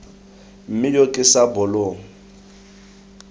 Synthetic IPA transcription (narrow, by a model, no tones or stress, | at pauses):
m̩mɪjokʼɪsabɔloːŋ̩